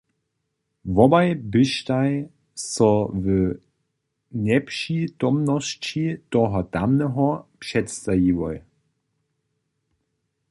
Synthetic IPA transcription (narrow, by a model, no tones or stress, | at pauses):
vɔbaɪbɪʃtaɪ | sɔvə | nɛpʃidɔmnɔʃt͡ɕitɔɦɔdamnəɦɔpʃɛtstajiʋɔj